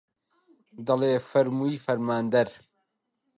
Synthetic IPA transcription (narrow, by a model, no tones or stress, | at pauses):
d̪ɐleːfɐɾmuifɐɾmaːnd̪ɐɾ